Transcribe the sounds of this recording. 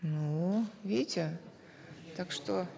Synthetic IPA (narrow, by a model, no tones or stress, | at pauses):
nuvʲetʲɪ | t̪akʂt̪o